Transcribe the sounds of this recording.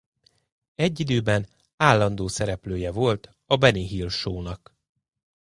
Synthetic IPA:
ɛɟːid̪øːbɛn | aːlːɒnd̪oːsɛɾɛpløːjɛvo̞lt̪ | ɒbɛniɦilʃoːnɒk

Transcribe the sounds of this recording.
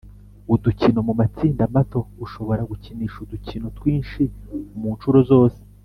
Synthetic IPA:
uducino̞mumat͡siːndamato̞uʃo̞βo̞ɾaɡuciniːʃuducino̞twiːnʃimuːnʃuɾozo̞ːse̥

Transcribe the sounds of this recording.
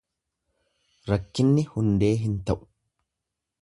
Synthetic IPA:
ɾɐkːɪnːɪhʊnd̪e̞ːɦɪnt̪ɐʔʊ̥

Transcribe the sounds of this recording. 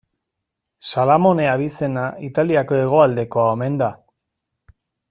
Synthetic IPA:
salamo̞ne̞aβ̞ise̞nait̪aliako̞e̞ɣ̞o̞ald̪e̞ko̞aome̞nd̪a

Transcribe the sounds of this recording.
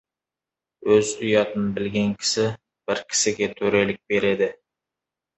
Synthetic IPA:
øzyjɑt̪ʰɪnɪbɪlɡʲɛnkʲʰɪ̥sɪ | b̥ɪɾkʲʰɪ̥sɪɡʲɛt̪ʰøɾelɪk̚ʲbeɾɪd̪ɪ

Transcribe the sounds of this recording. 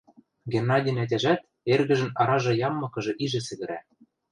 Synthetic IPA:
ɡenːɑdʲinæt̬ʲæʒæt̪̚ | erɣɘ̆ʒɘ̆nɑɾɑʒɤ̆jɑmːɤ̆kɤ̆ʒɤ̆ʔiʒɘ̆sɘ̆ɣɘ̆ɾæ

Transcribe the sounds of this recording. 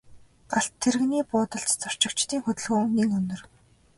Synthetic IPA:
ɢ̥aɬt̪ʰːerɘ̆ɣniːpʊːt̪ə̆ɬt̪t͡sʰɔr̥t͡ɕɪ̆kt͡ɕt̪iːŋxɵt̪ɵ̆ɮɣɵːniːŋɵnːɵ̆r

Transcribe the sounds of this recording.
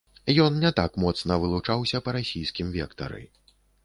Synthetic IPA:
jɔnnʲɛt̪akmɔt̪snɐvɨlˠut͡ʂawsʲɐpɐɾasʲijskʲimvʲɛ̰kt̪ɐ̰ɾɨ̰

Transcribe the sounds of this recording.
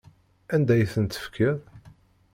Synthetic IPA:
ænd̪æjθənt̪ə̥fkʰəðˤ

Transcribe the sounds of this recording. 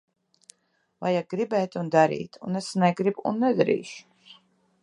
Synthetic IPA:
vajaɡɾibɛːt̪ʲund̪aɾḭːt̪ʰṵnesnɛɡɾibṵnːɛd̪aɾḭːʃu̥s

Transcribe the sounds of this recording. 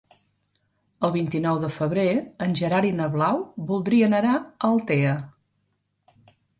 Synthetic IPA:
əlˠβint̪inɔwðəfəβɾeənʲʒəɾaɾinəβlawbulˠd̪ɾiənənaəlˠt̪eə

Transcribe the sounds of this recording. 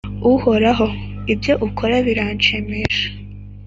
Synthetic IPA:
uho̞ɾaɦo̞ibjo̞ʔukʰoɾaβiɾaɲt͡ʃemeʃḁ

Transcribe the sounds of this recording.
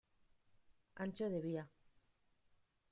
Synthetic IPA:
a̰nt͡ʃoðeβia

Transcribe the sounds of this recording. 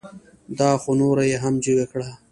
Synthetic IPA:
d̪ɑːxonoɾajeɦamd͡ʒiɡakɽa

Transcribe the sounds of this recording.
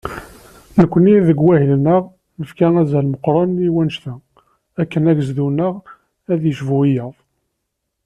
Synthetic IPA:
nəkʷːəniðəɡwæhələnəʁ | nəfkææzælməqːɾˤɑniwænʃθæ | ækːənæʝzðunəʁ | æðjəʃvuijəðˤ

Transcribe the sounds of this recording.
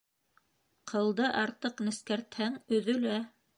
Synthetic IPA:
qʰɤ̆lˠd̪ɤʔɑɾt̪ɤqnɘ̆skæɾt̪hæŋɵ̆ðɵ̆læ

